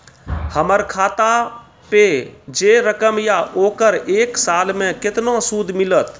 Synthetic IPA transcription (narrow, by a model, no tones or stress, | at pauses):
həməɾkʰaːt̪a | ped͡ʒeːɾəkəmjaʔoːkəɾeːksaːlmẽkɪt̪nõsuːd̪ʱmɪlət̪